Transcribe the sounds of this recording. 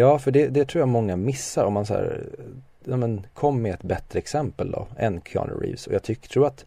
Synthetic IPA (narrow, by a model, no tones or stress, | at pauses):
jɑːfœɖɛd̪ɛt̪ʰɾuːjamɔŋːamɪsːaɾɔmːansæ̰ːɾ | jɑːmənkʰɔmːɛɛt̪bɛt̪ɾəɛksɛmpəld̪ɔ̰ɛnkʰɑ̰nə̰ɾḭːvsɔjɑːɡt̪ʰʏkt̪ʰɾuːɾat̪